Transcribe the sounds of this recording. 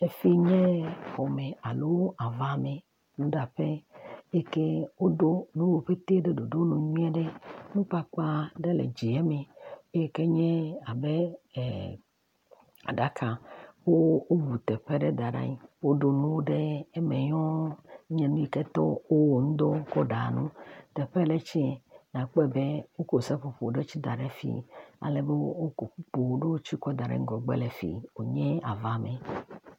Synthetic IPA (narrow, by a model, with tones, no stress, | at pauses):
e˨fi˦ɲɛ̃˦xɔ˨me˨a˨lo˦wo˦ʔa˨va˦˨me˨ | nũ˦ɖa˨ɸe˦e˦ke˦wo˦ɖo˦nũ˦wo˦ɸe˦t̪e˦ɖe˦do˨do˦nũ˦ɲĩ˦ɛ˦ɖɛ˦nũ˦k͡pa˦k͡pa˦ɖe˦lḛ˨d͡ʑi˨ɛ˦me˨e˦e˦ke˦ɲɛ̃˦a˨be˦˨ | a̰˨ɖa˦kʰa˨wo˦o˦bu˨t̪ɛ˨ɸe˦ɖe˦d̪a˨ɖa̰˦ɲĩ˦wo˦ɖo˦nũ˦wo˦ɖe˦e˦mɛ˨ɲɔ̃˦ɲɛ̃˦nũ˦i˨kɛ˦t̪ɔ̰˦wo˦wo˨ŋũ˦d̪o˦kɔ˦ɖa˨nũ˦t̪ɛ˨ɸɛ˦le˦t͡ɕi˦ɛ˨nã˨k͡pɔ˦ɛ˨be˦wo˦ko˨sɛ˦ɸo˨po˨o˨ɖe˦t͡ɕi˦d̪a˨ɖe˦fḭ˨a̰˨le˨be˦wo˦ko˨ɸu˦k͡po˨wo˦ɖe˦wo˦t͡ɕi˦kɔ˦d̪a˨ɖa̰˦ŋ̩˦ɡɔ˨ɡ͡bɛ̰˦lɛ˨fḭ˨wo˨ɲɛ̃˦a˨va˨mɛ̃˨